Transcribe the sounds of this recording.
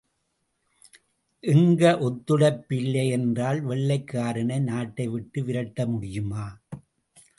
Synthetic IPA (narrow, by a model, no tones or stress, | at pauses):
ʔɪŋɡɐʔɔt̪ːɯɽɐpːɪlːɐɛndraːlʋɛɭːɐɪkːaːɾɐɳɐɪnaːʈːɐɪʋɪʈːɯʋɪɾɐʈːɐmʊɽɪjɯmaː